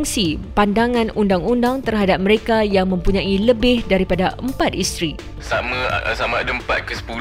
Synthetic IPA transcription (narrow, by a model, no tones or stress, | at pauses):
ŋsipandaŋãnundaŋundaŋt̪ərɦadap̚məɾekajaŋmə̃mpuɲãiləbɪhdaɾipadaəmpat̪̚ist̪ɾi | samãsamãdəmpa̰t̪̚kəsə̥pul